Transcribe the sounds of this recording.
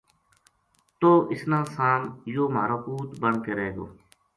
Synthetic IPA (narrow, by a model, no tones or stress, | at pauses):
t̪oːʔɪsnãːsaːmjoːmaːɾaːpuːt̪bəɳkeːɾeɦeːɡo̰ː